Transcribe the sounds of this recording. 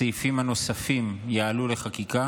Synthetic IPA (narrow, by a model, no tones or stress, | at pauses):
ejfimano̞safimjaːlule̞χakika